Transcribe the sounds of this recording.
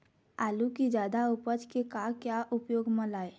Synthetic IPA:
aːlukid͡ʒjaːd̪aʊpət͡ʃkekaːkjaʔʊpjoːɡmə̃laːe

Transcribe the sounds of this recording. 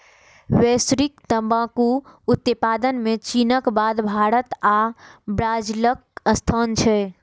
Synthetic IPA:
wesɾikt̪əmbãkuut̪ːəpad̪ənmẽt͡ʃinəkbad̪bʱaɾət̪abɾad͡ʒilək̚əst̪ʰənt͡ʃʰɛ

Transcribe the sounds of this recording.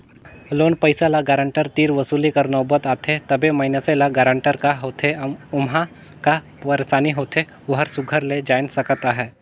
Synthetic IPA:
loːnpəɪsalaɡɛːɾə̃ɳʈəɾt̪iːɾʋɐsuːlikɐɾnɔːbət̪aːt̪ʰet̪ɐbemɐɪnəselaɡɛːɾə̃ɳʈəɾkaɦoːt̪ʰeʊmɦa | ka | pɐɾesaːniɦoːt̪ʰe | ʋɐɦəɾsʊɡʱəɾled͡ʒaːɪnsɐkt̪aɦɛː

